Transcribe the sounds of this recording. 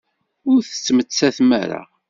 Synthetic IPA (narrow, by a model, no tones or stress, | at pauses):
ʊɾθə̥t͡sːmət͡sːæθmæ̰ɾa̰